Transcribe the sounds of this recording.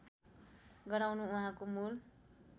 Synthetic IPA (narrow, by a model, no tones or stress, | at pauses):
ɡʌɾawnuuɦãkomul